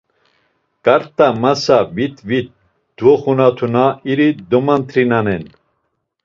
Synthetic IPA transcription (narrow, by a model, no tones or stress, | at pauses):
kʼaɾt̪ʼamasavit̪vit̪̚ | d̪̥vɔχunat̪ʰunaiɾid̪ɔmant̪ʰɾinanɛn